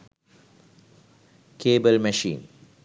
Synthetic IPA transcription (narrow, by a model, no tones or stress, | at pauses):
keːbəlmɛʃḭːn